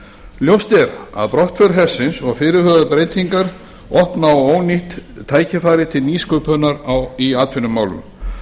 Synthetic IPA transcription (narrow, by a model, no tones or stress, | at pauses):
ljowst̪ɛɾa̰ðpɾɔht̪fœɾɦɛ̥sːɪnsɔɣfɪːɾɪɾhœːðaɾpɾejt̪iŋkaɾ̥ | ɔhpnawoːwniht̪ʰːaːjcɪfaːjɾɪt̪ʰɪlniːskœːpœnaɾawiaːt̪ʰʏnʏmːaːwlʏ̰m